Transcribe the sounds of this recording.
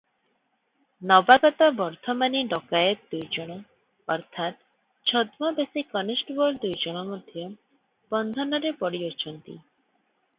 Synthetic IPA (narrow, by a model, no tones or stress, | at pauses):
nɔbaɡɔt̪ɔbɔɾt̪ʰɔmaniɖɔkaeɾd̪ujd͡ʒoɽ̃ɔ | ɔɾt̪ʰat̪ | t͡ʃʰɔd̪mɔbesikɔnesʈbɔɾd̪ujd͡ʒɔɽ̃ɔmod̪ʱjɔ | b̥ɔnd̪ʱɔnɔɾepɔɽiot͡ʃʰɔnt̪ḭ